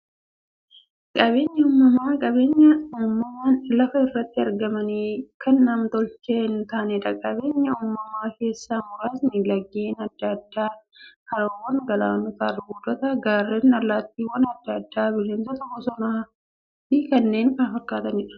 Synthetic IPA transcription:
kʼɐbe̞ːɲːɐuːmːɐmaːkʼɐbe̞ːɲːɐuːmːɐmaːnlɐfɐɪrːɐt̪ːɪɐɾɡɐmɐniːkʰɐnːɐmt̪ɔlt͡ʃeːnt̪aːnɛᶑɐkʼɐbe̞ːɲːɐuːmːɐmaːke̞ːsːaːmʊɾaːsnɪlɐɡːeːnɐd̪ːɐd̪ːaːkɐɾɐwɐnɡɐlaːnɔt̪aːrɪɡuːd̪ɔt̪ɐɡaːrːenɐɾlaːt̪ːiːwɐnɐd̪ːɐd̪ːaːbɪʃeːnsɐt̪ɔkːɔsɔnɐɐ | ikɐnːe̞ːnkɐnfɐɾkːaːt̪ɐnɪᶑɐ̥

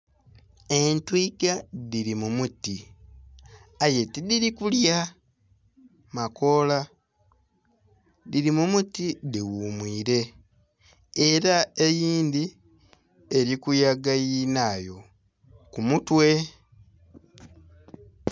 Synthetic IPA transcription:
e̞ntwikaðiɾimumuti | ajetidiɾikulja | mako̞la | ðiɾimumutidiwumwiːɾe̞ | ɾae̞jiːnd̪i | e̞ɾikujaɡajinaːjo̞ | kumutwe̞

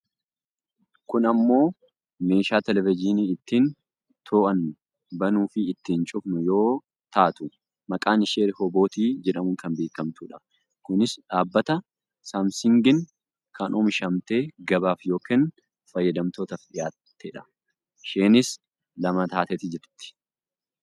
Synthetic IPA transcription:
kʊnɐmːo̞ː | me̞ːʃaːt̪ɛlɛvɪd͡ʒiːniːɪt̪ːiːn | t̪ʰoːʔɐn | bɐnuːfɪɪt̪ːiːnt͡ʃʼʊfnʊjo̞ː | t̪aːt̪ʊ | mɐkʼaːnɪʃeːɾɪhɔbo̞ːt̪iːd͡ʒɛᶑɐmʊŋkɐnbeːkɐmt̪uːᶑɐ | kʊnɪsᶑaːbːɐt̪ɐ | saːmsɪŋɡɪn | kʰɐnʔoːmʃɐmt̪e̞ːɡɐbaːfjo̞ːkeːn | fɐjːɐd̪ɐmt̪o̞ːt̪ɐfᶑɪjaːt̪ːeːᶑɐ̥ | ʃeːnɪs | lɐmɐt̪aːt̪ɛt̪ɪd͡ʒɛɾt̪ːɪ̥

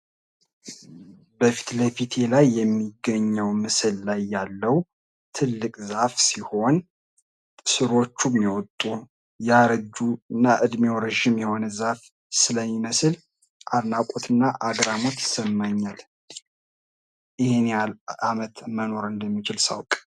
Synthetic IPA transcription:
bəfi̥t̪ləfit̪ʰe̞lajːɛmːiɡəɲːəwmɨsɨlːajːalːəw | t̪ʰɨlːɨkʼzafsiho̞n | sɨɾot͡ʃːumːiwɔt̪ʼu | jaɾɨd͡ʒuɨnːaʔɨd̪mewɾəʒɪmjɛho̞nəzaf | sɨləmːiməsɨl | ʔaɾnakʼot̪ʰɨnːaʔaɡɾamo̞t̪jɪ̥səmːaɲːal | ʔɨhenalamət̪məno̞ɾɨnd̪əmːit͡ʃɪlsa̰wkʼ

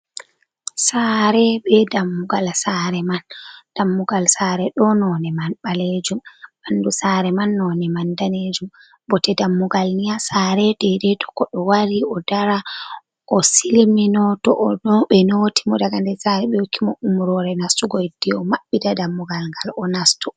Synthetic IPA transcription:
saɾɛɓɛdamːuɡalsaɾɛmand̥amːuɡalsaɾɛɗɔnɔnɛmanɓaled͡ʒumandusaɾɛmanːɔnɛmandaned͡ʒum | bɔtɛdamːuɡalnijasaɾɛdɛdɛtʰɔ̥kɔɗɔwaɾiɔdaɾa | ʔɔsilminɔtɔ̰ʔɔɓɛnoti̥mɔdaɡandɛsaɾɛɓɛjokʰːimɔʔumɾɔɾɛnastuɡɔjd̥ɛɔmaɓːidadamːuɡalŋɡalɔnastu

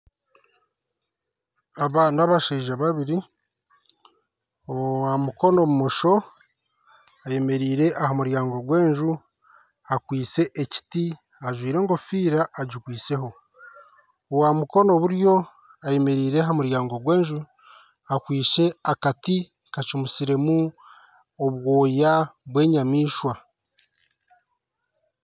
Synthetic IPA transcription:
aβanaβaʃeːʒaβaβiɾi | owamuko̞no̞mumoʃo̞ | aje̞me̞ɾiːɾe̞ʔahamuɾjaːŋɡo̞ɡwe̞ːɲʒu | akwiːt͡se̞ʔeci̥ti | aʒwiːɾe̞ŋɡofiːɾaːɟikwiːse̞ɦo̞ | owamuko̞no̞βuɾjo̞ | aje̞me̞ɾiːɾeɦamuɾjaːŋɡoɡwe̞ːɲʒu | akwiːʃe̞akati | kat͡ʃumusiɾe̞mu | oβwo̞ːjaβwe̞ːɲamiːʃwa

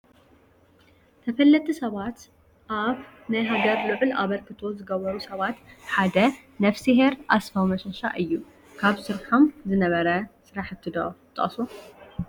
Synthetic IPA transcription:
t̪ʰɐfɐlːɐt̪ʰʼisɐβat̪ | ʔaβ | najɦaɡɐɾlɨʕʊlʔa̰βɐɾkʰɨt̪ʰo̞zɨɡɐβɐɾusɐβat̪ħad̪ɐ | nɐfsiɦeɾʔasfawmɐʃoʃa̰ʔɨjːu | kʰaβsɨɾħo̞mzɨnɐβɐɾɐsɨɾaħɨt̪ʰːɨd̪ot̪ʼɐʔʼsu

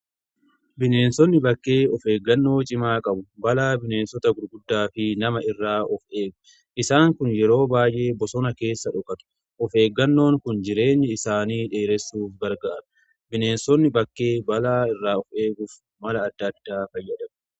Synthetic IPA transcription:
bɪneːnsɔnːɪbɐkːe̞ːɔfe̞ːɡːɐnːo̞ːt͡ʃʼɪmaːkʼɐbʊbɐlaːbɪne̞ːnsɔt̪ɐɡʊɾɡʊd̪ːaːfɪnɐmɐɪrːaːʔɔfʔe̞ːɡʊ̥ | ʔɪsaːŋkʊnjɛɾo̞ːbaːjʔe̞ːbɔsɔnɐke̞ːsːɐᶑʊkʼɐt̪ʊ̥ | ʔɔfe̞ːɡːɐnːo̞ːŋkʊnd͡ʒɪɾe̞ːɲːɪɪsaːniːᶑe̞ːɾɛsːuːfɡɐɾɡaːɾɐ̥ | bɪne̞ːnsɔnːɪbɐkːe̞ːbɐlaːɪrːaːɔfʔe̞ːɡʊf | mɐlɐːd̪ːɐd̪̥ːaːfɐjːɐᶑ̪ɐm

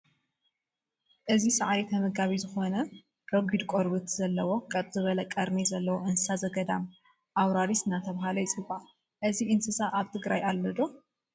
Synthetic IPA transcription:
ʔɨzisɐʕaɾit̪ʰɐmɐɡaβizɨxo̞nɐ | ɾ̥oɡʷid̪kʼoɾbɨt̪z̥ɐlːɐwo̞kʼɐt̪ʼzɨβɐlɐkʼɐɾnizɐlːɐwoʔɨnsɨsazɐɡɐd̪am | ʔawɾaɾisɨnat̪ʰɐβaɦalɐjit͡sʼɨba | ʔɨziʔɨnsɨsaʔaβt̪ʰɨɡɾajalːɐd̪o̞

